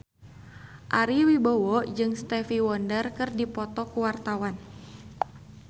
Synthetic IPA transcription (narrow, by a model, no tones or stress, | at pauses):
ʔaɾiwibɔwɔd͡ʒɨŋst̪ɛfiwɔndərkɨrdipɔt̪ɔkuwart̪awan